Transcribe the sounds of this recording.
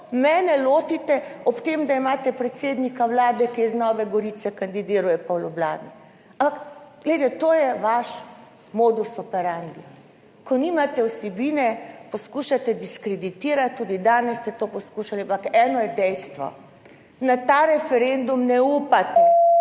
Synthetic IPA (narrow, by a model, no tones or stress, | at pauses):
mɛːnɛloːt̪it̪ɛɔpt̪emd̪aimaːt̪ɛpɾɛt̪seːd̪nikawlaːd̪ɛkiznɔːʋɛɡɔɾiːt̪sɛkand̪id̪iːɾujɛpawlubla̰ːnḭ | ampakɡ̥let̪ɛt̪oːjɛʋaʃ | moːd̪usɔpɛɾand̪i | kɔniːmat̪ɛwsɛbiːnɛpɔskuːʃat̪ɛd̪iskɾɛd̪it̪iːɾat̪̚t̪ːuːd̪id̪aːnɛsːt̪ɛt̪oːpɔskuʃaliampakɛːnɔjɛd̪ɛjst̪ʋɔ̰ | nat̪aːɾɛfɛɾend̪umnɛupat̪ɛ